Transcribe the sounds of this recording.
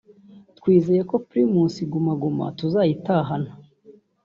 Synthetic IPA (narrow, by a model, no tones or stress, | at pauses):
tkwiːze̞jeko̞pɾimuːnsiɡumaɡuma̰tuzajitaɦana